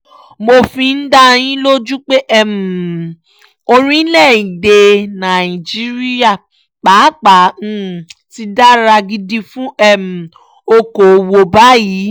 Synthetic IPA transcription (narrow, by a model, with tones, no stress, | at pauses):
mo˧fi˧n̩˦da˦j̃ĩ˦lo˦d͡ʒu˦k͡pe˦ʔɛ˦˨m̩˨ | o˧ɾĩ˦lɛ˦˨i˨de˨˧nã˨i˨d͡ʒi˦ɾi˦ja˦˨ | k͡pa˨˦k͡pã˨˦˨ti˧da˦ɾa˧ɡi˧di˧fũ˦ɛ˦˨m̩˨ | o˧ko˨wo˧ba˦jiː˨˦